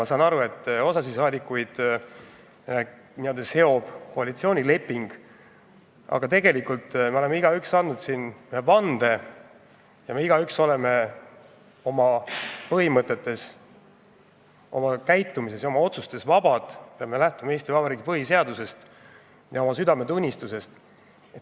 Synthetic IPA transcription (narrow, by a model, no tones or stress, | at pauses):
ɑsɑnɑɾue̞t̪ːˑo̞sɑsisɑːd̪ikːujd̪̥ | niold̪eshe̞o̞b̥koɑlit̪sio̞ːnʲile̞pːiŋɡ̥ | ɑ̰ɡ̥ɑt̪e̞ɡe̞likult̪ːˑmeo̞lemeiɡ̥ɑyksɑnːud̪sinepɑnd̪̥e̞ | jɑmeiɡ̥ɑykso̞le̞me̞ | o̞mɑpɤɦimɤt̪ˑːe̞t̪ːe̞s | o̞mɑkæjt̪ːˑumise̞sjɑo̞mɑo̞t̪sust̪e̞svɑbɑd̪̥peɑme̞læht̪umɑe̞ːst̪ivɑbɑɾiːɡipɤɦis̬e̞ɑd̪̥use̞st̪ | jɑo̞mɑsyd̪ɑme̞t̪unʲːist̪use̞st̪ | et̪